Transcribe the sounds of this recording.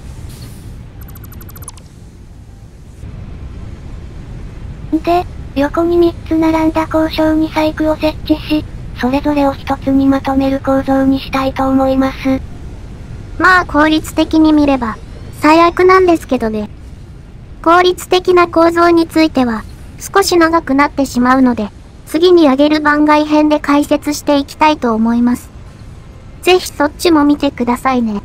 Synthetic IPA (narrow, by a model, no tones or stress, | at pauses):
d̪eɾʲo̞ko̞ɲ̟imʲit͡sɨnaɾãnd̪ako̞ːɕo̞ːɲ̟isaikɯ̟o̞se̞kːiɕiso̞ɾe̞zo̞ɾe̞o̞çi̥t̪o̞t͡sɨɲ̟imat̪o̞me̞ɾɯ̟ko̞ːzo̞ːɲ̟iɕi̥t̪ait̪o̞ːmo̞imasɨ | maːkʰo̞ːɾʲit͡sɨ̥t̪e̞kʲiɲ̟imʲiɾe̞ba | saiakɯ̟nãnd̪e̞sɨ̥ke̞d̪o̞ne̞ | ko̞ːɾʲit͡sɨ̥t̪e̞kʲinako̞ːzo̞ːɲ̟it͡sɨit̪e̞β̞a | sɨ̥ko̞ɕinaɡakɯ̟nat̪ːe̞ɕimaɯ̟no̞d̪e̞ | t͡sɨɡʲiɲ̟iaɡe̞ɾɯ̟bãŋɡaiɦẽ̞nd̪e̞kaise̞t͡sɨɕi̥t̪e̞ikʲi̥t̪ait̪o̞ːmo̞imasɨ̥ | ze̞çi̥so̞tt͡ɕːɕimo̞mʲit̪e̞kɯ̟d̪asaine̞